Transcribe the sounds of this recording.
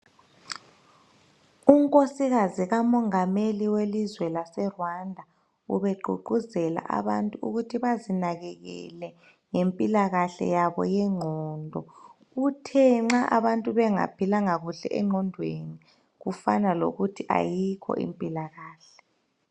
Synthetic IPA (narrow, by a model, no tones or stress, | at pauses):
uŋkʼosiɣaziɣamɔŋameliwelizwɛlasɛrwandʱa | ṵβɛɡ͡ǃʱuǃuzɛla̰ʔa̰βantʼuṵɣutʰiβazinaɣɛɣɛ̰lɛ | ŋempʼilaɣaɬɛ̰jaβɔ̰jɛŋ͡ǃʱɔːndʱɔ | ɣutʰɛŋ͡ǁaʔaβantʼuβɛŋa̰pʰilaŋaɣuɬɛ̰ʔɛŋ͡ǃʱɔndʱweni | ɣufanalo̰ɣutʰiʔa̰jikʰɔ̰ʔḭmpʼilaɣaːɬɛ